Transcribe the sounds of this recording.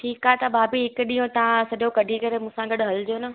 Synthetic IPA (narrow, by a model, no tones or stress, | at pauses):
ʈʰiːkaːet̪ɐbʱaːbiɦɪkʊɗĩjõt̪ɐʋãsɐɗokɐɖʱikɐɾemũːsãɡɐɗʊɦɐld͡ʑoːnɐ